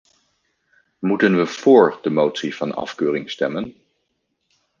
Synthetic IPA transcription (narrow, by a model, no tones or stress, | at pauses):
mutənʋəv̥ʊːɹdəmowtsiv̥ɑnɑ̰fkøːrɪŋstɛmən